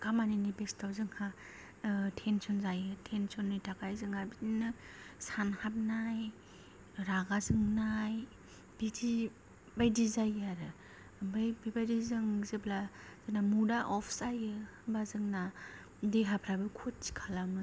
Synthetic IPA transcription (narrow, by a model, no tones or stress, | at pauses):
kamaninibestʰawzɯŋha | tʰensɔnzajɯtʰensɔnːɯjtʰakajzɯŋaɾbiinɯsanhap̚naj | ɾaɡazɯŋnaj | b̥iti | bajdizajaɾɯ | bajbibajdizɯŋzɯbla | zɯnamudaʔɔpʰsajɯ | bazɯŋna | deɦapʰɾabɯkʰutsi̥kʰalamɯ